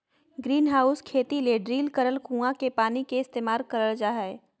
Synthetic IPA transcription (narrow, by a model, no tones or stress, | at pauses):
ɡɾiːnɦaːʊskʰeːt̪ileɖɾiːlkəɾəlkũːãkepaːnikeɪst̪eːmaːlkəɾəld͡ʒaːɦɛe